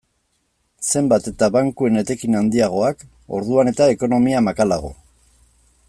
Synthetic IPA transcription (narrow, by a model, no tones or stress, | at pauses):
se̞mbat̪e̞t̪aβaŋkue̞ne̞t̪e̞kinand̪iaɣ̞o̞ak | o̞̰ɾðuane̞t̪ae̞ko̞no̞miamakalaɣ̞o̞̰